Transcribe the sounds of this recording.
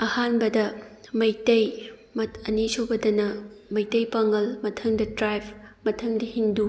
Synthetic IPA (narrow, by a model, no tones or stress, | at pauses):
ɐhanbɐdɐmɐjtɐjmɐɐnisobɐdɐnɐmɐjtɐjpɐŋɐlmɐtʰɐŋdɐtɾajpʰmɐtʰɐŋdɐhindu